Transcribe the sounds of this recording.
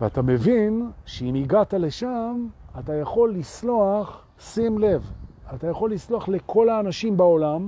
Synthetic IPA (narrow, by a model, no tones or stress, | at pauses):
veatamevinʃeimiɡatale̞ʃamatajaχo̞lːisloaχ | simle̞vatajaχo̞lːisloaχle̞kʰo̞laːnaʃimbao̞lam